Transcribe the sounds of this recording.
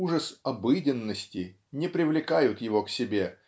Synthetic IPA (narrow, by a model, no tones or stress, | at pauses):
uʐəsɐbɨdʲɪnːəsʲtʲɪ | nʲɪpɾʲɪvlʲɪkajʊt̪jɪvo̞ksʲɪbʲe̞